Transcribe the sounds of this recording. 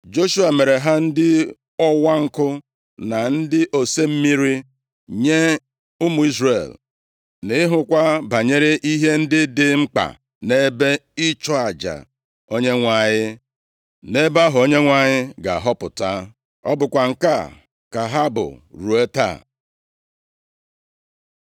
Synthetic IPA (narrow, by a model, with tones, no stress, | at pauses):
d͡ʒo˦ʃu˦a˨me˨ɾe˨ɦa˦n̩˦dɪ˦ | ɔ˦wa˦ŋ̩˦kʊ˦ | na˨n̩˦dɪ˦ʔo˨se˦m̩˦mi˦ɾi˦ | ɲe˦ | ʊ˦mʊ˨i˦zɾe˨l | nɪ˦ɦʊ˨kʷa˦ba˨ɲe˦ɾe˦ʔi˦ɦe˦n̩˦dɪ˦dɪ˦ŋ͡m̩˦k͡pa̰˨ | ne˦be˦ɪ˦t͡ʃɔ˦a˨d͡ʒa̰˨ | o˦ɲe˦ŋʷa˨ɲɪ˦ | ne˦ba˦ɦʊ˨o˦ɲe˦ŋʷa˨ɲɪ˦ɡa˨ɦɔ˦pʊ˨ta˦ | ɔ̰˦bʊ˨kʷa˨ŋ̩˨ka˦˨ | ka˨ɦa˦bʊ̰˨ɾu˨e˦ta̰˦˨